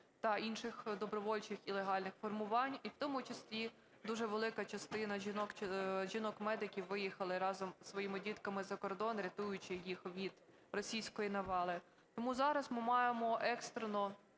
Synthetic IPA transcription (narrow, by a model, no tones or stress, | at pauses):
t̪ɐinʃɪxd̪ɔbɾɔʋɔlʲt͡ʃɪxilˠeɦɑlʲnɪxfɔrmʊʋɑnʲiwt̪ɔmʊt͡ʃɐsʲlʲi | d̪uʒɛʋelˠɪkɐt͡ʃɐst̪ɪnɐʒinɔkt͡ʃʒʲinɔkmɛd̪ɪkʲiwːɪjixɐlˠɪɾɑzɔmsʋɔjimɪdʲit̪kɐmɪzɐkɔrd̪ɔnɾʲɐt̪ujʊt͡ʃɪjixʋʲid̪̥ | rɔsʲijsʲkɔjinɐʋɑlˠɪ | t̪ɔmuzɑɾɐzmɪmɑjemɔʔɛkst̪ɾenɔ